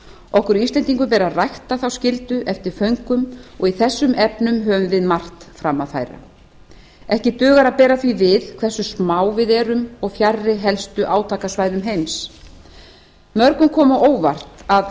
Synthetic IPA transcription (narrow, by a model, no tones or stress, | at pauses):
ɔhkʏɾist̪lɛnt̪iŋkʏmpɛːɾarajht̪aθawscɪlt̪ʏʔɛft̪ɪɾ̥fœɥŋkʏmɔɣiθɛsːʏmɛpnʏmɦœvʏɱvɪðmar̥t̪fɾamːaðfa̰jɾa̰ | ɛhcɪt̪œːɣaɾaðpɛːɾaθvivɪðkʰvɛ̥sːʏsmaːwvɪðɛɾʏmɔɣfjarːɪɦɛlst̪ʏʔaːwt̪ʰaːkasvajðʏmɦejms | mœɾkʏmkʰɔːmaʔoːwva̰r̥t̪að